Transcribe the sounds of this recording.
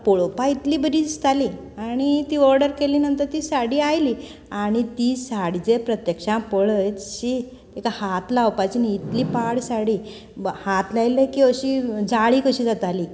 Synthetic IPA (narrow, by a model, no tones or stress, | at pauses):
poɭopait̪liːbəd̪id̪ist̪ali | aɽ̃it̪iːɔɾɖəɾkeliːnənt̪əɾt̪iːsaɽiajli | aɽ̃it̪iːsaɽid͡zepɾət̪jəkʂãpəɭət͡sɕi | ekahat̪lawpat͡ɕiniit̪liːpaɽsaɽiː | hat̪lajlekiəɕid͡zaɭiːkəɕiːd͡zat̪aliː